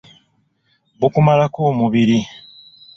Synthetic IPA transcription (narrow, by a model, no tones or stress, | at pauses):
βukumalakoːmuβiɾi